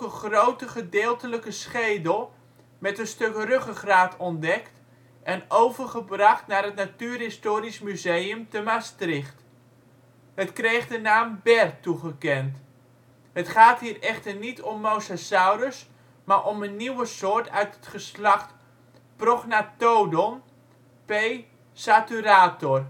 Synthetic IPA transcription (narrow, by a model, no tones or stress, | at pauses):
kəχrowtəχədɪːlˠtələkəsχejdəlˠ | mɛtənstøkrøχəχraːtɔndɛkt | ʔɛnowvərχəbrɑχtnaːrɦətnatyːrɦɪstoːɾismyzejəmtəmastrɪχt | hətkrejχdənaːmbɛrtuχəkɛnt | hətχaːtɦiːrɛχtərnitʰɔmːowsasawɾəs | maɹʔɔmənːiwəsoːɹtœɥtətχəslaχt | prɔχnatowdɔm | pej | satyɾaːtɔr